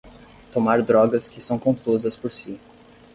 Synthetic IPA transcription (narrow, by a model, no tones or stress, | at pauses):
t̪omaɾd̪ɾɔɡɐskɪsɐ̃w̃kõfuzɐspoɾsi